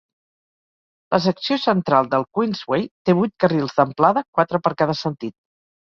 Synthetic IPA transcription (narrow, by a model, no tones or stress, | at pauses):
lʔəs̬əksiosənt̪ɾalˠd̪əlˠkwinzwejt̪eβujt̪̚kərilˠzðəmplaðəkwat̪ɾəpəɾkaðəsənt̪it̪̚